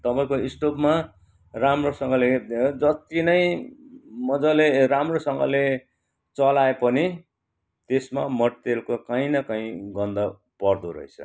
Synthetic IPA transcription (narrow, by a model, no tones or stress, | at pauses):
t̪ʌpãĩkoisʈopma | ramrosʌŋɡʌled͡zʌt̪inʌj | mʌd͡zʌleramrosʌŋɡʌ̰le | t͡sʌlaepʌni | t̪esmamʌʈt̪elkokaĩnʌkʌĩɡʌnd̪ʌ | pʌrd̪oɾʌ̰ɦḛt͡sʰʌ̰